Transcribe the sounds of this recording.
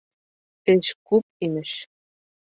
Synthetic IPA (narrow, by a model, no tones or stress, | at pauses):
t̪eʃkup̚imɘ̆ʃ